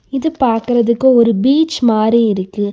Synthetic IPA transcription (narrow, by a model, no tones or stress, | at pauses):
ɪðɯpaːɾkɯɾɐðɯkːõɔɾɯbiːt͡ʃmaːɾiɪɾɯkːɯ